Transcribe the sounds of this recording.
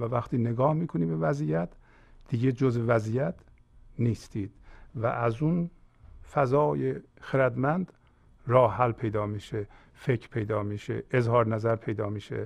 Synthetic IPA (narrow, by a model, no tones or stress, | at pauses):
vævæxt̪iːneɡɒːhmiːkʰoniːbe̞væzijæt̪ | d̪̥iɡed͡ʒozvevæzijæt̪ʰ | niːst̪iːd̪̥væ̰ʔæzun | fæzɒːje | xeɾæd̪mænd̪ | ɾɒːhɦælpʰe̞jd̪ɒːmiːʃe | fecʰɾpʰejd̪ɒːmiːʃḛezhɒːɾnæzæɾpʰe̞jd̪ɒːmiːʃḛ